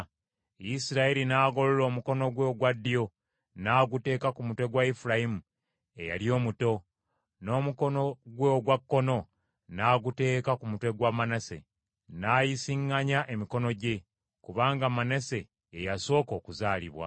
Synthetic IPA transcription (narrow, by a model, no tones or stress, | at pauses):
isiɾaiɾinaːɡo̞lolo̞ːmuko̞no̞ɡweɡwadːijo̞ | naːɡute̞ːkakumutwe̞ɡwaifuɾajimu | e̞ja̰lijo̞ːmuto̞ | no̞ːmuko̞no̞ɡweoɡwakːo̞no̞ | naːɡute̞ːkakumutwe̞ɡwamanase̞̰ | najisiŋːaɲaʔemiko̞no̞ɟe̞ | kuβaːŋɡamanese̞ː | jaso̞ːko̞ːkuzaːlḭβwa̰